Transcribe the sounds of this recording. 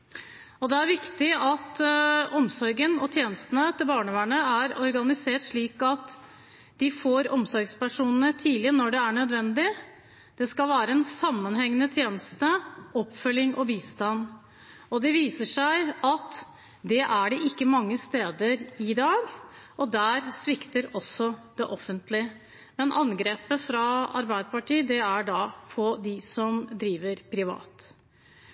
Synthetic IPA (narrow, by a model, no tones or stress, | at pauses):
ɔd̪ɛæɾʋɪkt̪ɪɑt̪ɔmsɔɾɡənɔt̪ʰjeːnəst̪ənət̪ʰɪlbɑːɳəʋæːɳəæɾɔɾɡɑnɪseːʈʂɭiːkɑt̪ | d̪ɪfoːɾɔmsɔɾɡspæʂuːnənət̪ʰiːlɪənɔɖɛæɳœd̪ʋɛnd̪ɪ | d̪̥ɛskɑlʋæːɾəɛnsɑmːənɦɛŋənət̪ʰjeːnəst̪əɔpːfœlɪŋʔɔbiːst̪ɑn | ɔd̪ɛʋiːsəʂæɪɑt̪ | d̪ɛʔæɖɛʔɪkːəmɑŋːəst̪eːd̪əɾɪd̪ɑːɡʔɔd̪æɾsʋɪkt̪əɾɔsɔd̪̥ɛʔɔfːənt̪lɪ | mɛnʔɑnɡɾeːpəfɾɑɑ̰ɾbæɪd̪əpɑʈiːd̪ɛæɖɑpʰɔd̪ɪsɔmd̪ɾiːʋəɾpʰɾɪʋɑ̰ːt̪